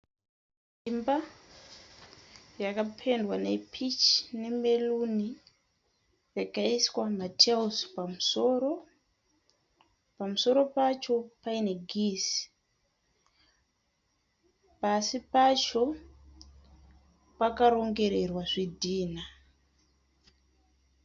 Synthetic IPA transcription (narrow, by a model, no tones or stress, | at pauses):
simba | jakapʰe̞ndwane̞pʰit͡ʃne̞me̞luni | jakaiswamatʰeuspamuso̞ɾo̞ | pamuso̞ɾo̞pat͡ʃo̞paine̞ɡʱisi̥ | pasipat͡ʃo̞ | pakaɾo̞ŋɡe̞ɾe̞rwaʐidʱiːna